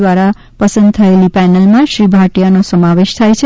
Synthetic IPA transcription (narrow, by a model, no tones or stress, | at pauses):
waɾa | pʌsənd̪̚t̪ʰʌelipɛnelmasɾibʱaʈijanosʌmaweʃt̪ʰajt͡sʰʌ